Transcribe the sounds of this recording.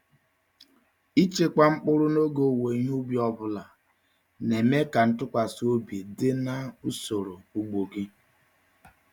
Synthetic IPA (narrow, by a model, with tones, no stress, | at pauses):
i˦t͡ʃe˦kʷa˦ŋ͡m̩˦k͡pʊ˦ɾʊ˦no˦ɡo˨we˨i˦ɦu˦bjɔ˦bʊ˦la˨ | ne˨me˦ka˨n̩˦tʊ˦kʷa˨su˦o˦be˨dɪ˦na˦u˦so˨ɾo˨u˨ɡ͡bo˨ɡi˦